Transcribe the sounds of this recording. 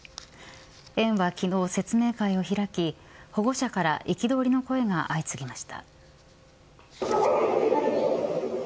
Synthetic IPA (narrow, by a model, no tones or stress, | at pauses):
ẽ̞ɰ̃βakʲino̞ːse̞t͡sɨme̞ːkaio̞çiɾakʲi | ho̞ɡo̞ɕakaɾaʔikʲid̪o̞ːɾʲino̞ko̞e̞ɡaʔait͡sɨɡʲimaɕi̥t̪a̰